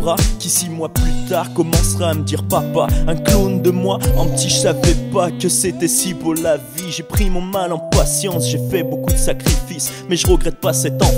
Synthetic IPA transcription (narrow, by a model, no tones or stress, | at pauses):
ʁakʲisimwaplyt̪aʁkɔmɑ̃sʁaaməd̪iʁpapaɛ̃klond̪əmwaɛ̃t̪iʒəsavɛpakəset̪ɛsipuʁlaviʒepχimɔ̃malɑ̃pasjɑ̃sʒefɛbokud̪əsakχifis | mɛʒəʁəɡʁɛt̪̚pasɛt̪ɑ̃